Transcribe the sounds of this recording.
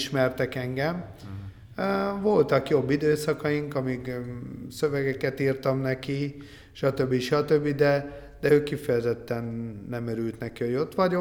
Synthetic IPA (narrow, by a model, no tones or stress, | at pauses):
ʃmɛrt̪ɛkɛŋɡɛm | vo̞lt̪ɒkjo̞bːid̪øːsɒkɒjiŋkɒmiksøvɛɡɛkɛt̪iːrt̪ɒmnɛki | ʃɒt̪ø̞bːiʃɒt̪ø̞bːid̪ɛ | d̪ɛøːkːifɛjɛzɛt̪ːɛnːɛmɛɾylt̪nɛkio̞ɟo̞t̪ʋɒɟo